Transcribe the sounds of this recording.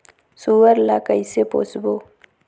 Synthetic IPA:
suwəɾlakəisepo̰sbo

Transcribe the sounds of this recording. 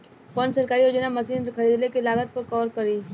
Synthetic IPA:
pənsɐɾkaːɾiod͡ʒənamɐsiːnxʰɐɾiːd̪lekelaːɡət̪̚pɐɾkɔːɾkɐɾiː

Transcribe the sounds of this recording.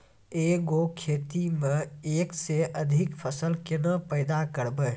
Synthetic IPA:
eɡokʰeːt̪imẽeːkseʔəd̪ʱɪkpʰəsəlkɪnəpəɪd̪akəɾbə

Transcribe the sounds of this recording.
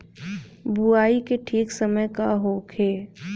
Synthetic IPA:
buaːikeʈʰiːksəməjkaɦoːkʰeː

